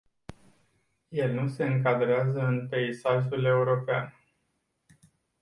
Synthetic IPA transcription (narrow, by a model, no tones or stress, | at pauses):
je̞lnuse̞ɨŋkad̪ɾeazəɨnpe̞isaʒule̞uɾo̞pean